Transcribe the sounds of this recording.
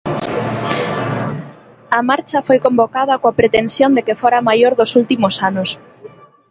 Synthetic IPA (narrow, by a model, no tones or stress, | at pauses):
ɐmaɾt͡ʃɐfojkombokaðɐkoapɾet̪ensjond̪ekefoɾamajoɾðosult̪imosanos